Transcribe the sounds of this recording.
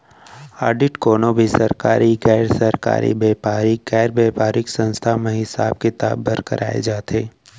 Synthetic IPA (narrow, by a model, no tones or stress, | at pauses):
aːɾɖɪʈkoːnobʱisɐɾkaːɾiɡɛːɾsɐɾka̰ːɾʔḭbeːpaːɾiɡɛːɾbeːpaːɾɪksə̃nst̪ʰamẽɦɪsa̰ːb̚kɪt̪aːbːəɾkə̰ɾʔa̰ːḛd͡ʒaːt̪eː